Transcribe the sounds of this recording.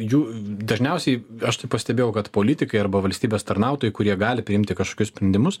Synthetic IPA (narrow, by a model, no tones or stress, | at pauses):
juːd̪ɐʒʲnʲɛʊsʲɛɪɐʃt̪ɐɪppɐsʲt̪ʲɛbʲeːjɛʊkɐt̪poːlʲɪt̪ʲɪkɐɪɐɾbɐʋɐlʲsʲt̪ʲiːbʲeːst̪ɐɾnɑˑʊt̪oːjɛɪkʊɾʲiɛɡɑːlʲɪpʲɾʲɪɪmt̪ʲɪkɐʃkoːkʲʊsʲpʲɾʲɛnʲd̪ʲɪmʊs